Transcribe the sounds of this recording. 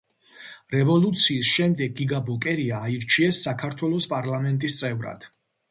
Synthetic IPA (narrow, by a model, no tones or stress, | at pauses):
ɾɛvɔlˠut̪sʰiːsʃɛmd̪ɛɡːiɡabɔkʼɛɾiaːiɾt͡ʃʰiɛsːakʰaɾt̪ʰwɛlˠɔspʼaɾlamɛnt̪ʼist̪sʼɛvɾa̰d̪̥